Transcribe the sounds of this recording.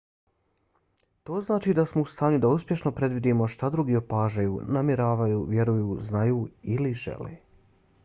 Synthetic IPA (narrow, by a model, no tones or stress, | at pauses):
t̪o̞ːznaːt͡ʃiːd̪asmo̞ust̪aːɲud̪auspje̞ʃno̞pɾe̞d̪ʋid̪iːmo̞ʃt̪ad̪ɾuɡiːopaːʒajuːnamjeɾaːʋajuːʋje̞ɾujuːznajuːiliʒḛlḛː